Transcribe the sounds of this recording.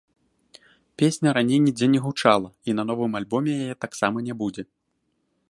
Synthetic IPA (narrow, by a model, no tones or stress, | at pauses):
pʲesʲnʲɐɾanʲejnʲid͡zʲɛnʲɛɣut͡ʂalˠɐinɐn̪ɔvɨmalʲbɔmʲɛjajɛt̪aksamɐnʲɛbud͡zʲɛ